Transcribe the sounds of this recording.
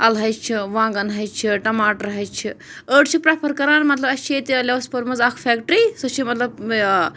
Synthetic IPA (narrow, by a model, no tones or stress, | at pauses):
ɐlɦɐjt͡ʃʰiʋãːŋɡɐnɦɐjt͡ʃʰiʈɐmaːʈɐɾɦɐjt͡ʃʰi | əːʈt͡ʃʰipɾapʰɐɾkɐɾaːnmɐt̪lɐbɐt͡ʃʰet̪iɐlʲeʋɐspɐɾmɐzaːkʰpʰeːkʈɾiːsɐt͡ʃʰimɐt̪lɐb